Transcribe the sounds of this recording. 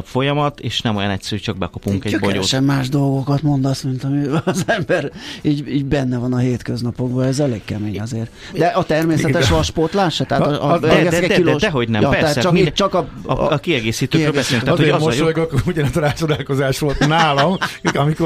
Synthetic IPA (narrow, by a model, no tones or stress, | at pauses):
pfo̞jɒmɒt̪eːʃnɛmojɒ̰nɛcsɛɾyt͡ʃɒɡ̚bɛkopuŋkɛɟbojo̰ːʃɛmːaːʒd̪o̞lɡo̞kɒt̪mo̞nd̪ɒsmint̪ɒmiːzɛmbɛriːɟiːɟbɛnːɛvɒnɒɦeːt̪kø̞znɒpo̞ɡbɒɛzɛleːɡkɛmeːɲɒzeːr | d̪ɛʔɒt̪ɛrmeːsɛt̪ɛʃʋɒʃport̪laːʃɛt̪ɛɦaːt̪ɒɡɛsɛkɛkiloːdɛɦo̞ɟnɛmjɒptːɾasatɛt͡ʃɒkit͡ʃɒkɒ̰kiɛɡeːsiːt̪øːkɾøːlbɛseːlyŋk̪at̪hɒmoʃjoɡokuɟɛnɛt̪ɾaːt͡ʃod̪aːlko̞zaːʃʋo̞lt̪naːlɒmɒmiko